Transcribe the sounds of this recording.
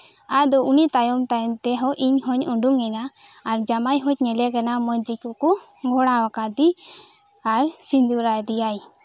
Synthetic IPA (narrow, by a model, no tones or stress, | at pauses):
ad̪ɔunit̪ajɔmt̪aɾɛnt̪ɛɦɔʔiɲɦɔɲuɳɖuŋɛnaːɾd͡ʒamajɦɔc̚ɲɛlɛkanamɔɲd͡ʒikɔkɔ | ɡʱɔɽ̃awakad̪i | aɾsind̪uɾajd̪ijaj